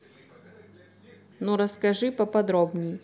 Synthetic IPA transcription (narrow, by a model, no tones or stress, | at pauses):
nuɾəskɐʐɨpəpɐd̪ɾobnʲɪjɪ